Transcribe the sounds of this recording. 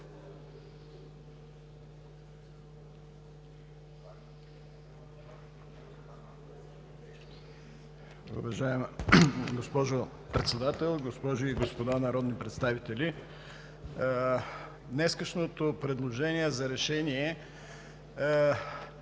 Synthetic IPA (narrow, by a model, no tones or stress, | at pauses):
ṵvɐʒajɛmɡospɔʒo | pɾɛt̪sɛd̪at̪ɛlˠɡospɔʒʊiɡospod̪anɐɾɔd̪nipɾɛt̪st̪avit̪ɛli | nɛskəʃnot̪opɾɛd̪lˠoʒɛniɛzɐɾɛʃɛniɛ